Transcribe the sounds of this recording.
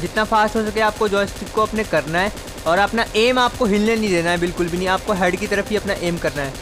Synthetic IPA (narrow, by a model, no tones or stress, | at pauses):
d͡ʒɪt̪nafaːst̪ɦoːs̬ɐkeaːp̚kod͡ʒɔːsʈɪkːoɐpnekɐɾnaɦɛː | ɔːɾɐpnaeːmaːp̚koɦɪlnenɐɦĩd̪eːnaɦɛbɪlkʊlbʱinɐĩaːp̚koɦɛːɖkit̪ɐɾəfɦiɐpnaʔeːmkɐɾnaɦɛː